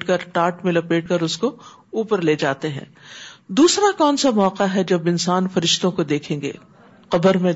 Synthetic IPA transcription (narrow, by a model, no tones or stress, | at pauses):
ʈkɐɾʈaːɾʈmẽlɐpeːʈ̚kɐɾʊsko | uːpəɾleːd͡ʒaːt̪eɦɛ̰̃ːd̪uːsɾakɔːnsamɔːqaɦɛd͡ʒɐbɪnsaːnfɐɾɪʃt̪õkod̪eːkʰẽːŋɡḛː | qɐbəɾmẽ